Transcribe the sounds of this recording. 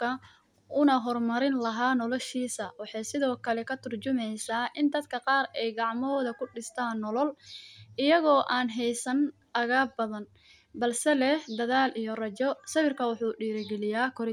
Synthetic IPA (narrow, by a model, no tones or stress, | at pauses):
kʰɐ | ʊnɐɦɔrmɐɾɪnlɐɦaːnɔlɔʃiːsɐwɑħɑjsɪðɔːkʰɐlɛkʰɐt̪ʰʊrt͡ʃʊmɛjsaːʔɪnd̪ɐd̪kʰɐqɑːrɛjɡɑʕmɔːðɐkʰʊɖɪst̪ʰaːnːɔlɔlʔɪjɐɣɔːʔaːnɦɛjsɐn | ɐɣaːb̚bɐðɐn | bɐlsɛlɛhd̪ɐðaːlijɔrɐt͡ʃɔsɐβɪrkʰɐwɑħuːɖiːɾɪɡɛlɪjaːkʰɔɾɪ